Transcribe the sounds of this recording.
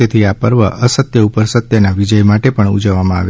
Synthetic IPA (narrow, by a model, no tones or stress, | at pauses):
et̪ʰiapəɾʋəʔəsət̪jəupəɾsət̪jənaʋid͡ʒəjmaʈepəɳṵd͡ʒəʋːamãa̰ʋe